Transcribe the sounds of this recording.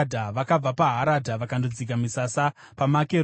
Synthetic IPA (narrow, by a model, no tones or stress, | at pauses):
dʱaʋakab͡vapaɦaɾadʱaʋakandod͡zik̬amisasa | pamake